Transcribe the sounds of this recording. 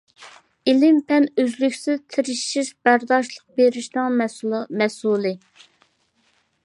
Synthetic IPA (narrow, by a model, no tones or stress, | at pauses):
ɪlɪmpʰɛnøzlykʲsɪzt̪ʰɪɾɪʃiʃbæɾd̪ɑʃlˠəq̚beɾɪʃnɨŋmɛslˠmɛsulˠɨ